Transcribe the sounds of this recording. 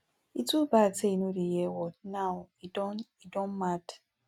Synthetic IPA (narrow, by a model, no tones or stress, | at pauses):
itubateinodijewɔnaʊidɔn̩mat